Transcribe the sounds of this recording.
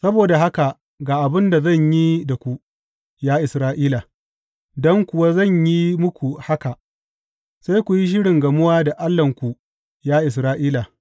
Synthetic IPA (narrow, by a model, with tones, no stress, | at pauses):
sɐ˦boː˨da˨ɦa˦ka˨ | ɡaː˨ʔa˨bɪ˦nda˨zɐ˦˨ɲji˦da˨kʷu˦ | jaː˦ʔɪ˨sɾaː˦ʔiː˦la˨ | dɔ˦ŋkʷʊ˨wa˦zɐ˦˨ɲji˦mʊ˦kʷu˨ha˦ka˨ | se˦jkʷu˨ji˦ʃ̬ɪ˦ɽɪ˨ŋɡɐ˨mʊ˦waː˦da˨ʔa˦lːɐ˨ŋkʷu˨ | jaː˦ʔɪ˨s̬ɾaː˦ʔiː˦la˨